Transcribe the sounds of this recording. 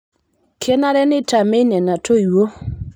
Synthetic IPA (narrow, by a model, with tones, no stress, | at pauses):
kʰɛ˦na˦ɾɛ˦nɪ˦ta˨me˦nɛ˨na˨to˦i˨wo˦